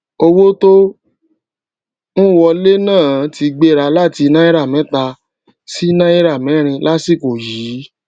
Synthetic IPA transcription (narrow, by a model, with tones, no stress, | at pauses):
o˧wo˦to˦ | nũ˦wɔ˧le˦nãː˦˨˦ti˧ɡ͡be˦˨ɾa˧la˦˨ti˧nã˦i˦ɾa˦˨mɛ̃˨˦ta˧ | si˦nã˦i˦ɾa˦˨mɛ̃˨˦ɾ̃ĩ˧la˦si˦˨ko˨jiː˨˦